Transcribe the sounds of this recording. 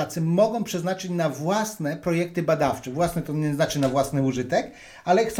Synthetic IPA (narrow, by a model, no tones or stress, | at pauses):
at̪sɘmɔɡɔ̃w̃pʂɛznat͡ʂɘt͡ɕnavwasnɛpɾɔjɛkt̪ɘbad̪aft͡ʂɛvwasnɛt̪ɔɲɛznat͡ʂɘnavwasnɘuʐɘt̪ɛk | alɛxt̪s